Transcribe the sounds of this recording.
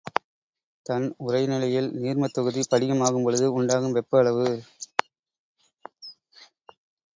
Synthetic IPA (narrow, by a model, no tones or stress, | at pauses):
t̪ɐnʊrɐɪnɪlɐjɪlniːrmɐt̪ːɔɣɯðipɐɽɪɣɐmaːɣɯmpɔɭɯðɯʊɳɖaːɣɯmʋɛpːɯɐɭɐʋɯ